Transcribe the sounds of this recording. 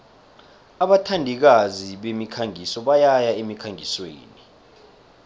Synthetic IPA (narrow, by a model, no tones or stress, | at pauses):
aɓatʰandʱik̬aziɓemikʰaŋisɔɓajajaemikʰaŋʱiswḛːni